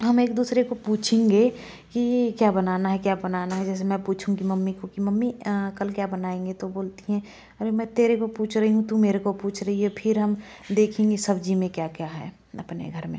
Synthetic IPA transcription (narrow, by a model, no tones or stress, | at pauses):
ɦɐmeːkd̪uːsɾekopuːt͡ʃʰẽŋɡe | kikjabɐnaːnaɦɛkjabɐnaːnaɦɛd͡ʒɛːs̬emɛ̃puːt͡ʃʰũkimɐmːikokimɐmːikəlkjabɐnaːẽːŋ̆ɡet̪oboːlt̪iɦɛ̃ | ɔɾemɛ̃t̪eːɾekopuːt͡ʃʰɾɐɦiɦũt̪ũmeːɾekopuːt͡ʃʰɾɐɦiɦɛpʰɪɾɦɐm | d̪eːkʰẽŋɡesɐbd͡ʒimẽkjakjaɦɛ̰ː | ɐpnḛɡʱəɾmḛ̃